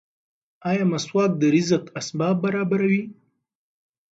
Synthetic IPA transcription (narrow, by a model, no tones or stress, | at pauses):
ɑjɑmaswɑk̚d̪əɾɪzəqasbɑːb̚bːaɾɑbaɾawi